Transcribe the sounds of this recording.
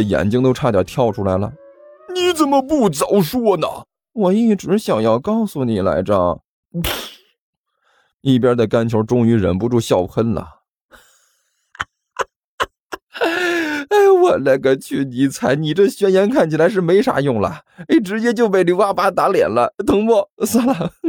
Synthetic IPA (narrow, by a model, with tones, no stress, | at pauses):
ə˩jɛ̰˨˩nt͡ɕi˥ŋt̪o˥ʊʈ͡ʂʰa˥˩t̪jɑ̰˧˩˥t̪ʰjɑ˥˩ʊʈ͡ʂʰu˥la˧˥ɪlə̰˧˩ni˧˥t͡sə˨˩nmə˦pu˥˩t͡sɑ˨˩ʊʂwɔ˥nə̰˩ | wɔ˨˩i˥˩˥ʈ͡ʂɻ̩˧˥ɕjɑ˨˩ŋjɑ˥˧ʊkɑ˥˧˩ʊsu˨˩ni˨˩la̰˧˥ɪʈ͡ʂə̰˨˩ | i˥˩pjɑ˥d̪ə˨ka˥nt͡ɕʰjo˧˥ʊʈ͡ʂʊ˥ŋy˧˥ɻə̰˧˥npu˧ʈ͡ʂu˥˧ɕjɑ˥˩ʊpʰə˥nlə̰˩ | e˥˩ɪwɔ˨˩na˥˩ɡə˧t͡ɕʰy˥˩ni˧˥t͡sʰa˧˥ɪni˨˩ʈ͡ʂɤ˥˧ɕɥɛ˥njɛ˧˥nkʰa˥˩nt͡ɕʰi˨˩la˧˥ɪʂ̬ɻ̩˥˩me˧˥ɪʂa̰˧˥jʊ˥˩ŋlə̰˩e˥˩ʈ͡ʂɻ̩˧˥t͡ɕjɛ˥t͡ɕjo˥˧ʊpe˥˩ɪli˧˥wa˥pa˥t̪a˧˥ljɛ̰˨˩nlə˦t̪ɤ˧˥ŋpɔ˥˩sa˥˩la˨˩